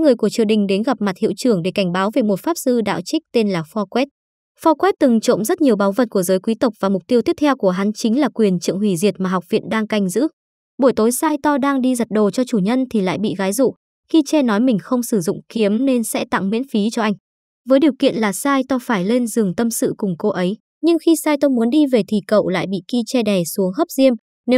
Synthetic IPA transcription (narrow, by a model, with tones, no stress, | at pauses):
ŋɨ˨˩əjku˧˩ət͡ɕɨ˨˩əɗï˨˩ŋ̟ɗe˨˦nɣa˨˩p̚ma˨˩t̚hḭ˧˨wt͡ɕɨ˧˩əŋɗe˧˩ka˧˩jŋ̟ɓaː˨˦wve˨˩mo˨˩t̚faː˦˥p̚sɨ˧ɗa̰ː˧˨wt͡ɕï˦˥k̚t̪e˧nlaː˨˩fɔ˧kwɛ˦˥t̚ | fɔ˧kwɛ˦˥t̚t̪ɨ˨˩ŋt͡ɕo̰˧˨mzə˦˥t̚ɲi˨˩əwɓaː˨˦wvə˨˩t̚ku˧˩əzəː˨˦jkwi˨˦t̪ə˨˩wk͡p̚vaː˨˩mʊ˨˩k͡p̚t̪i˧ət̪i˦˥ət̪ʰwku˧˩əɦa˨˦nt͡ɕï˨˦ŋ̟laː˨˩kwi˨˩ənt͡ɕɨ̰˧˨əŋhwi˧˩zi˨˩ət̚maː˨˩ɦa˨˩wk͡p̚vḭ˧˨nɗaː˧ŋka˧jŋ̟zɨ̰˧˥ | ɓo˧˩jt̪o˨˦jsaː˧jt̪ɔ˧ɗaː˧ŋɗi˧zə˨˩t̚ɗo˨˩t͡ɕɔ˧t͡ɕu˧˩ɲə˧nt̪ʰi˨˩la̰ː˧˨jɓḭ˧˨ɣaː˨˦jzṵ˧˨ | xi˧t͡ɕɛ˧nɔ˨˦jmï˨˩ŋ̟xə˧wŋ͡msɨ˧˩zʊ̰˧˨ŋ͡mki˨˦əmne˧nsɛ̰˧˥t̪a̰˧˨ŋmḭ˧˥ənfi˨˦t͡ɕɔ˧ʔa˧jŋ̟ | vəː˨˦jɗi˨˩əwkḭ˧˨ənlaː˨˩saː˧jt̪ɔ˧faː˧˩jle˧nzɨ˨˩əŋt̪ə˧msɨ̰˧˨kʊ˨˩ŋ͡mko˧ʔə˨˦j | ɲɨ˧ŋxi˧saː˧jt̪ə˧wmu˨˦ənɗi˧ve˨˩t̪ʰi˨˩kə̰˧˨wla̰ː˧˨jɓḭ˧˨ki˧t͡ɕɛ˧ɗɛ˨˩su˨˦əŋɦə˦˥p̚zi˧əm | ne˨˦w